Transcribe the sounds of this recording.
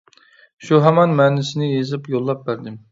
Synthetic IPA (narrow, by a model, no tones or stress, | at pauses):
ʃuɦɛmɑnmɛːnɪsɪnɪjezɪpjolˠːɑp̚bæɾd̪ɪm